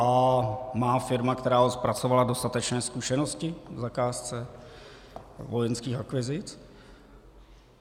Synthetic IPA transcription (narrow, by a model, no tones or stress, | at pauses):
amaːfɪɾmakt̪ɛɾaːospɾat͡sovalado̞st̪at̪ɛt͡ʃnɛːskuʃɛnoscɪvzakaːst͡sɛ | vojɛnskiːxakvɪzɪt͡s